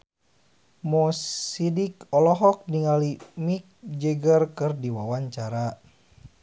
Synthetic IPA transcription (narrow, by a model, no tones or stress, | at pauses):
mɔsidikɔlɔɦɔk̚niŋalimik̚d͡ʒɛɡərkɨrdiwawaɲt͡ʃaɾa